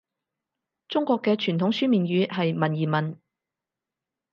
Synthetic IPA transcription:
t͡sʊ˥ŋkʷɔː˧kːɛː˧t͡ʃʰyː˨˩nt̪ʰʊ˨˥ŋsyː˥miː˨nɥyː˨˧˥ɦɐ˨jmɐ˨˩njiː˨˩mɐ˨n

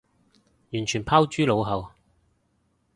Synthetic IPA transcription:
jyː˨˩nt͡ʃʰy˨˩npʰaː˥wt͡ʃyː˥lo˨˧wɦɐ˨w

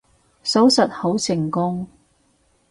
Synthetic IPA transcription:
so˨˥wsɐ˨t̚ho˨˥wsɪ˨˩ŋkʊ˥ŋ

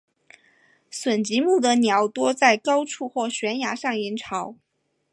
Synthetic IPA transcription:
swə˨˩nt͡ɕi˧˥mu˥˩d̪ə˩njɑ˧˥ʊt̪wɔ˥t͡sa˥˩ɪkɑ˥ʊʈ͡ʂʰu˥˧xwɔ˥˩ɕɥɛ˧˥nja˧˥ʂɑ˥˩ŋi˧˥nʈ͡ʂʰɑ˧˥ʊ

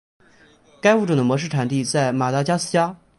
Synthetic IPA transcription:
ka˥ɪfu˥˩ʈ͡ʂu˥˩d̪ə˦mwɔ˧˥ʂ̬ɻ̩˥˩ʈ͡ʂʰa˨˩nt̪i˥˧t͡sa˥˩ɪma˨˩t̪a˥˩t͡ɕja˥sɹ̩˥˩t͡ɕja˥

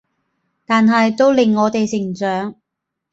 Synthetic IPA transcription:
t̪aː˨nɦɐ˨jt̪o˥wlɪ˨˩ŋːɔː˨˧t̪e˨jsɪ˨˩ŋt͡sœː˨˥ŋ

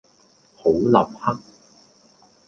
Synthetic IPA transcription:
ho˨˥wlɐ˨˩p̚hɐ˥k̚

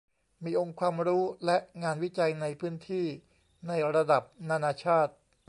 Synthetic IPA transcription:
miː˧ʔo˧ŋkʰwaː˧mɾuː˦˥lɛ˦˥ʔŋaː˧nwi˦˥t͡ɕa˧jna˧jpʰɯ˦˥nt̪ʰiː˥˩ | na˧jɾa˧da˨˩p̚naː˧naː˧t͡ɕʰaː˥˩t̪̚

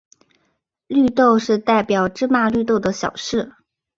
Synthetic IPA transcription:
ly˥˧t̪o˥˧ʊʂɻ̩˥˧t̪a˥˩ɪpjɑ˨˩ʊʈ͡ʂɻ̩˥ma˥˧ly˥˧t̪o˥˩ʊd̪ə˩ɕjɑ̰˨˩ʊʂɻ̩˥˩

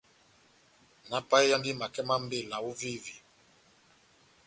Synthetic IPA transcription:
na˨pa˦i˦ja˦ŋɡi˦ma˨kɛ˦ma˦m˦be˦˨la˨u˦vi˦vi˨

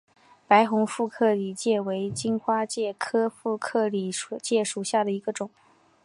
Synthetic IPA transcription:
pa˧˥ɪxʊ˧˥ŋfu˥˧kʰɤ˥˩li˨˩t͡ɕjɛ˥˩we˧˥ɪt͡ɕi˥nxwa˥t͡ɕjɛ˥˩kʰɤ˥fu˥˧kʰɤ˥˩li˨˩u˨˩t͡ɕjɛ˥˩ʂu˨˩ɕja˥˩d̪ə˩i˧˥ɡə˧ʈ͡ʂʊ˨˩˦

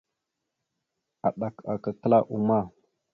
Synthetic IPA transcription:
a˨ɗa˨ka˨kə˨kə˦la˦ʔu˨ma˦

